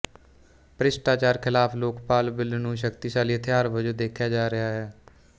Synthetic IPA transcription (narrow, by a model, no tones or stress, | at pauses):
pɾɪsʈaːt͡ʃaːɾkʰɪlaːpʰloːkpaːlbɪlnũːʃ̬əkt̪iːʃaːliːət̪ʰeɦaːɾbəd͡ʒoːd̪eːkʰjaːd͡ʒaːɾɪɦaːɦɛː